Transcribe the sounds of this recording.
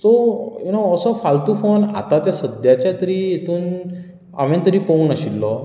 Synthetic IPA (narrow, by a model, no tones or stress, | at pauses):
t̪ɔjunoəsəfalt̪uːfona̰t̪at̪jasəd̪jat͡ɕjat̪əɾiːet̪ʰuːn | a̰ʋẽnt̪əɾiːpownəɕilːɔ